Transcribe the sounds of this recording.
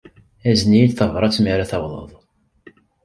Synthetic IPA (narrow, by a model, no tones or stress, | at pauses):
æznijilθəvɾˤɑt͡sːmiɾaθɑwðˤə̰ðˤ